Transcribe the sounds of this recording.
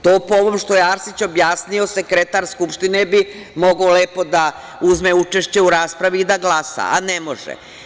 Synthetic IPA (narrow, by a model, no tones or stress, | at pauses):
t̪oːpooʋomʃt̪o̞jeaɾsit͡ɕo̞bjaːsnio̞se̞kɾet̪aɾskupʃt̪inebi | moɡaole̞ːpo̞d̪a | uzmeut͡ʃeʃt͡ɕe̞uɾaːspɾaʋiːd̪aɡlˠaːsa̰anemo̞ʒḛ